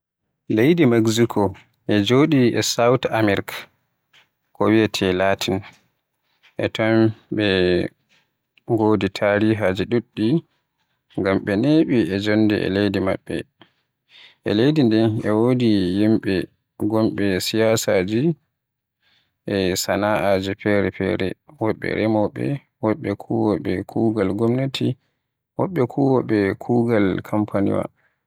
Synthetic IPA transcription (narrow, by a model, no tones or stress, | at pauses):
lejdimaɡsikʰɔ | ʔɛd͡ʒoːɗiɛsawtamɛɾikḁ | kɔwiɛtʰɛlatʰin | ʔɛtamɓɛ | ɡoditʰaɾiɦad͡ʒiɗuɗːi | ŋɡamɓɛneɓiɛd͡ʒonːdɛ̰ɛ̰lejdima̰ɓːɛ̰ | ʔɛ̰lejdindɛnɛwodijimɓɛ | ɡɔmɓɛsijasad͡ʒi | ʔɛsanaʔad͡ʒɛpɛɾɛpɛ̰ɾɛ̰wɔɓːɛ̰ɾɛmɔɓɛ̰ | wɔɓːɛkʰuwɔɓɛkʰuːɡalɡɔmnetʰi | wɔɓːɛkʰuwɔɓɛkʰuɡalkʰampʰanḭwa̰